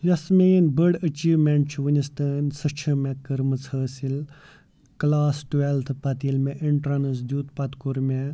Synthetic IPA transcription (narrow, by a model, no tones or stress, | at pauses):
jɐsmenbəɽət͡ʃiːʋmeɳʈ̚t͡ʃʰuʋənʲist̪ənʲsət͡ʃʰəmẽkəɾmɨt͡sʰəːsil | klaːsʈʋelt̪ʰpɐt̪ilmeʔiɳʈɾɐnəs̬d̪ʲuːt̪pɐt̪kuɾme